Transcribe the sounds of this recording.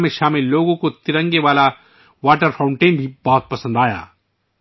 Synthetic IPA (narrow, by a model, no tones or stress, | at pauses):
mẽʃaːmɪlːoːɡõkot̪ɪɾə̃ŋɡeʋaːla | ʋaːʈəɾfʰãːʊ̃ɳʈeːnbʱibɔɦt̪̚pɐsə̃nd̪aːja̰ː